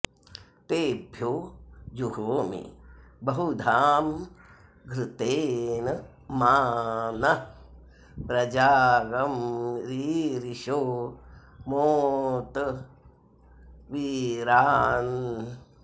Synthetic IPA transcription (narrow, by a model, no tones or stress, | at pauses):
t̪eːbʱjoːd͡ʒuhoːmḭbɐɦud̪ʱaːm | ɡɾɪt̪eːnɐ | maːnɐ | pɾɐd͡ʒaːɡɐmɾiːɾiʃoː | moːt̪ | ʋiɾaːn